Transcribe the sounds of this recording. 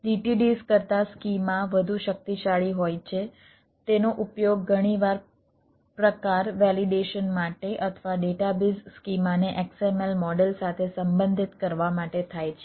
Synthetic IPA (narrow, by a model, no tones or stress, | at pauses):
ɖiʈiɖiskəɾt̪askimãʋəd̪ʱuʃək̚t̪iʃaɭiɦojt͡ʃʰe | t̪enoʔupjoɡːʱəɽ̃iʋaɾ | pɾəkaɾʋɛliɖeʃənmaʈeʔət̪ʰəʋaɖeʈabizskimaneʔeksemelmɔɖelsat̪ʰesəmbə̃nd̪ʱit̪kəɾʋamaʈet̪ʰajt͡ʃʰe